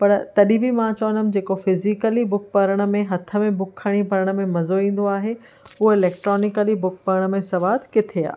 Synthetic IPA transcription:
pɐɾt̪ɐɗĩbimãt͡ɕɐʋənəm̆d͡ʑeːkofɪzikəlibʊk̚pɐɾəɽ̃ə̆mẽɦɐt̪ʰə̆mẽbʊkʰːəɽ̃ipɐɾəɽ̃ə̆mẽmɐzoĩːn̆d̪oaːɦe | uɪlɛːk̚ʈɾɔːnɪkəlibʊk̚pɐɾəɽ̃ə̆mẽsɐʋaːd̪kɪt̪ʰea̰ː

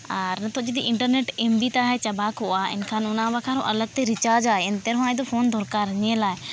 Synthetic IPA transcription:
əɾnət̪ʰod͡ʒit̪iʔɪɳʈəɾneʈembit̪aɦɛt͡ʃɐbaːkɦʊʔaɪ̰nkʰaːnʊnabakʰaɾo̰ʔəɐləɡ̚t̪eɾɪt͡ʃaːd͡ʒaːeɪnt̪eɾɦũãj̃d̪ofʰoːnd̪ʱɔɾkaɾɐɲelaːe

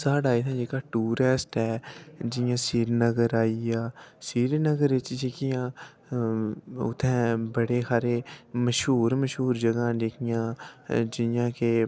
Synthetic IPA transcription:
saːɖaːiːt̪ʰãːd͡ʒeːkaːʈuːɾɛsʈɛːd͡ʒɪjãːsiːɾnəɡəɾaːiaːsiːɾnəɡəɾɪt͡ʃd͡ʒeːkɪjãː | ʊ̰t̪ʰːɛ̃ːbəɽeːxaːɾeːməʃɦuːɾməʃɦuːɾd͡ʒəɡãːd͡ʒeːkɪjãːd͡ʒɪjãːkeː

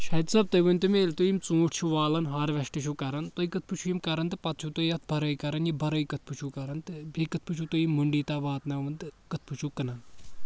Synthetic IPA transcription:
ʃɐd̪sɐb̚t̪ɐjʋɨnt̪ɨmeːlt̪ujimt͡sũːʈʰt͡ʃʰuʋaːlɐnɦaːɾʋɐʃʈɐt͡ʃʰukɐɾɐnt̪oikɐt̪̚ʰpɨt͡ʃʰujimkɐɾɐnt̪ɨpɐt̪̚ʰt͡ʃʰut̪ojɐt̪̚ʰbʱɐɾɐjkɐɾɐnjibʱɐɾɐjkɐt̪̚ʰpʰɨt͡ʃʰukɐɾɐnt̪ɨbʱikɨt̪̚ʰpɨt͡ʃʰut̪ujimːuɳɖiːt̪aːʋaːt̪nɐʋɨnt̪ɨkɨt̪̚ʰpʰɨt͡ʃʰukɐnɐn

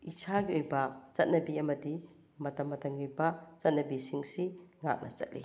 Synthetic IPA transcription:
isʰaɡiojbɐt͡ʃɐt̚nɐbiɐmɐdi | mɐtɐmːɐtɐŋɡiojbɐt͡ʃɐt̚nɐbisiŋsiŋa̰k̚nʔɐ̰sɐ̰t̚lḭ

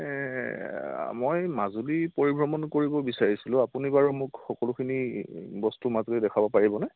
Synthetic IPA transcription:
mojmazulipoɹibʱɹɔmɔnkoɹibɔbisaɹisilʊ̃apunibaɹumʊkxɔkɔlukʰinibɔstumazulidɛkʰabɔpaɹibɔnɛ

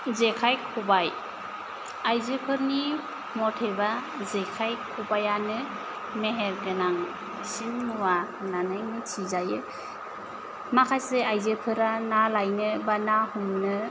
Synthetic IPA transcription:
zekʰajkʰubaj | ajzepʰɯɾni | mɔtʰeba | zekʰajkʰubajanɯ | meɦeɾɡɯnaŋ | sinːuwananɯjmit͡ʃʰizajɯ | makʰajseajzepʰɯɾanalajnɯbanahumnɯ

